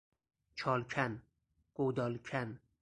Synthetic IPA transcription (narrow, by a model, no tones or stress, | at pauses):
t͡ʃʰɒlkʲʰan | qowd̪ɒlkʲʰan